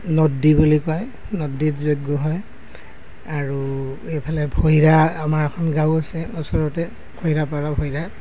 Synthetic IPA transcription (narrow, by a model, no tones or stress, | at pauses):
nɔdːibulikaj | nɔdːitzojɡɔɦɔj | aɹu | ejpʰalɛbʱoiɹaamaɹɛkʰɔnɡawasɛɔsɔɹɔtɛ | kʰojɹapaɹabʱɔjɹa